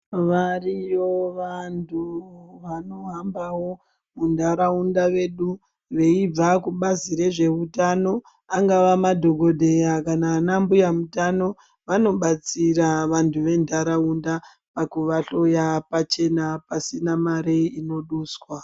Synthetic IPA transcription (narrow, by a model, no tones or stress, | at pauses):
ʋarijo̞ʋantʰuʋano̞ɦambawo̞ | mundʱaɾaundaʋe̞ɗu | ʋe̞ib͡vakuɓaziɾe̞ʐe̞utano̞ | aŋɡaʋamadʱo̞ɡʱo̞dʱe̞jakanaːnambujamutano̞ | ʋano̞ɓat͡siraʋantʰuʋe̞ndʱaɾaunda | pakuʋaɬo̞japat͡ʃe̞napasinamaɾeino̞ɗuːswa